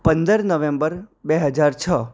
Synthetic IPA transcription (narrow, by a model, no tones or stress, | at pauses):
pə̃nd̪əɾnəʋẽmbəɾbeɦəd͡ʒaɾt͡ʃʰə